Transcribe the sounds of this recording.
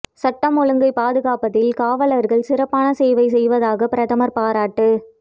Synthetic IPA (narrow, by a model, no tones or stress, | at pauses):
sɐʈːɐmɔɻɯŋɡɐɪpaːðɯɣaːpɐt̪ːɪlkaːʋɐɭɐɾɣɐɭsɪrɐpːaːnɐseːʋɐɪs̬ɛjʋɐðaːɣɐpɪɾɐðɐmɐɾpaːɾaːʈːɯ